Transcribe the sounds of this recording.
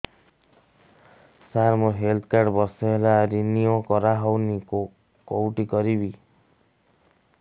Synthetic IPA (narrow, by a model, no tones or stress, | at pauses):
saɾmoɦelt̪ʰkaɾɖbɔsɔɦelaɾiniɔkɔɾaɦɔwni | kowʈikɔɾibi